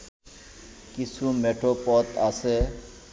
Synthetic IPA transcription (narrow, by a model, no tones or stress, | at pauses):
kisũːmeːʈʰoːpɔːt̪aːse